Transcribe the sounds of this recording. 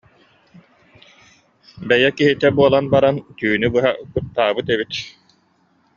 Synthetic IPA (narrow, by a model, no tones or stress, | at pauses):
bɛjɛkiɦit̪ɛbuɔlˠanbaɾant̪yːnybɯɦakut̪ːaːbɯt̪ɛbit̪